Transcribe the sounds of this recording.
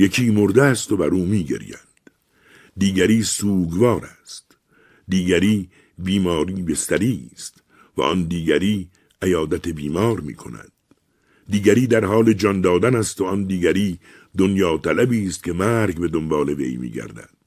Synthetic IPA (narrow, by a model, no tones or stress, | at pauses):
jekʰiːmoɾd̪eæst̪obæɾuːmiːɡḛɾḭːjænd̪̥ | d̪iːɡæɾiːsuːɡvɒːɾæst̪ | d̪iːɡæɾiː | biːmɒːɾiːbe̞st̪æɾiːst̪ | væ̰ʔɒ̰nd̪iːɡæɾiː | ʔæjɒːd̪æt̪ʰebiːmɒːɾmḭːkʰo̞̰næ̰d̪̥ː | iːɡæɾiːd̪æɾhɒːle̞d͡ʒɒnd̪ɒːd̪ænæst̪oɒnd̪iːɡæɾiː | d̪onjɒːt̪ʰælæbiːst̪cʰe̞mæːɾɡbe̞d̪ombɑːle̞ve̞̰jmḭːɡæ̰ɾd̪æ̰d̪̥